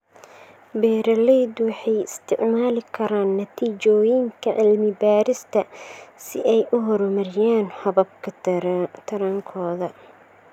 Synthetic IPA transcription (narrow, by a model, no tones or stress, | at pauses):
bɛːɾɐlɛjd̪wɑħɑjɪst̪ʰɪʕmaːlɪkʰɐɾaːnːɐt̪ʰiːt͡ʃɔːjɪŋkʰɐʕɪlmɪbaːɾɪst̪ʰɐsɪʔɛjʔʊɦɔɾɔmɐɾɪjaːnħɔβɐb̚kʰɐt̪ʰɐɾaŋkʰɔːðɐ